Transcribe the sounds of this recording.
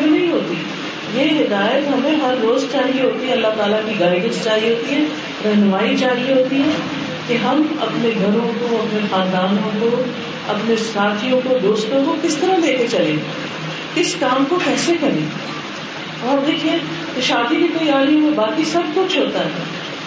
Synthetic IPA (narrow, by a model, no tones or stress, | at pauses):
nɐɦĩɦoːt̪i | jeːɦɪd̪aːjət̪ɦɐmẽɦɐɾːoːzt͡ʃaːɾiɦoːt̪iɦɛ̃ɐlːaɦt̪aːlakiɡaːikost͡ʃaːɾiɦoːt̪iɦɛ̃ː | ɾɐɦnʊmaːid͡ʒaːɾiɦoːt̪iɦɛ̃ː | keɦɐmɐ̰pneɡʱɐɾõkoɐpnexãːnd̪aːnõko | ɐ̰pnesaːt̪ʰijõkod̪oːst̪õkokɪst̪ɐɾaleːket͡ʃɐlẽ | kɪskaːmkokɛːsekɐɾḛ̃ː | ɔːɾd̪eːkʰiẽ | kɪʃaːd̪ikik̪oiaːlijõmẽbaːkisɐb̚kʊt͡ʃʰɦoːt̪aɦɛː